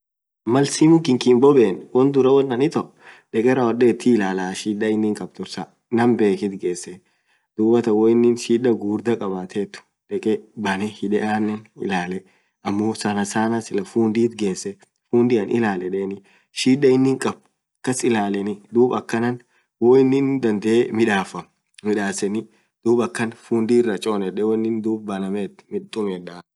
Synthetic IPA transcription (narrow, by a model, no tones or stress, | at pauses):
mɐlsimɪŋkɪŋkɪmbɔbeːnwɔnd̪ʊɾɐwɔnːɐnɪt̪ɔ | ᶑɛkʼɛɾɐwɔɗeːt̪ːɪɪlaːlaːʃiːᶑɐɪnːɪŋkʼɐb̚t̪ʊɾsɐ | nɐmbe̞ːkɪt̪ɡe̞ːsːɛ | d̪̥uːbɐt̪ɐwɔɪnːɪnʃiːᶑɐɡuːɾd̪ɐkʼɐbaːt̪ʰet̪ːʊ̥ | ᶑɛkʼɛbɐnɛhɪᶑɛʔaːnːɛnɪ̰laːlɛ | ɐmːoːsɐnɐsaːnɐsɪlɐfuːnd̪iːt̪ɡeːsːɛ | fuːnd̪ɪɐnʔɪ̰laːlɛᶑeːnɪ | ʃiːᶑɐɪnːɪŋkʼɐb̚ | kːɐsɪlaːlɛnɪd̪uːbɐkːɐnɐn | wɔɪnːɪnd̪ɐnd̪ɛʔemɪᶑaːfɐ | mɪᶑaːsɛnɪ | d̪̥uːbɐkːɐnfuːnd̪iːrːɐt͡ʃʼoːnɛᶑɛwɔɪnːɪnd̪uːbbɐlɐmet̪mɪt̪ʼːʊmɛᶑɐ